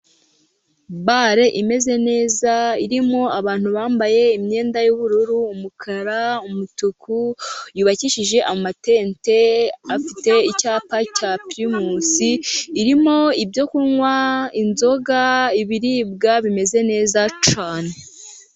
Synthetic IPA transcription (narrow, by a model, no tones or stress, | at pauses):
baɾe̞ʔime̞ze̞ne̞ːzaiɾimo̞aβaːn̥huβaːmbaje̞imɲe̞ːndajuβuɾuɾuːmukʰaɾaumutukʰujuːβaciʃiʒe̞ʔaomate̞ːnte̞afite̞icaːpacapiɾimusiːɾimo̞ibjo̞kuŋwainzo̞ɡaiβiɾiːb̚ɡaβime̞ze̞ne̞ːzat͡ʃaːne